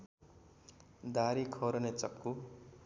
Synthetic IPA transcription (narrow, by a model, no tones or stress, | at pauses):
d̪aɾikʰʌɾʌnet͡sʌkːu